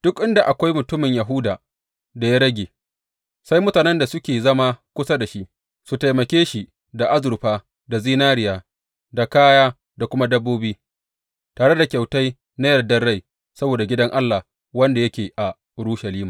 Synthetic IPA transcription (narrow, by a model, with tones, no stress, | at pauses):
d̥ʊ˦kʔɪ˦nda˨ʔa˨kʷa˦jmʊ˨tʊ˦mɪ˨ɲja˨ɦʊ˦daː˨ | da˨ja˦ɽɐ˦ɡʲeː˨ | sa˦jmʊ˦taː˨nɛ˦nda˨sʊ˦kʲeː˨zɐ˦ma˦kʷʊ˦sa˦da˨ʃi˦ʔ | su˨ta˨jmɐ˨kʲeː˦ʃi˨ | da˨ʔa˦zʊ˨ɾɸaː˦ | da˨ziː˦naː˦ɾɪ˨jaː˦ | da˨kaː˦jaː˦ | da˨kʷʊ˦ma˦dɐ˦bːoː˦biː˦ | taː˨ɽe˦da˨kʲa˨wta˦j | na˦jɐ˨dɐ˦rːa˦˨j | sɐ˦boː˨da˨ɡʲɪ˦dɐ˦ŋʔa˦lːa˨ | wɐ˦nda˨jɐ˦kʲeː˨ʔa˨ | ʔʊ˨ɽu˦ʃa˨liː˦maː˨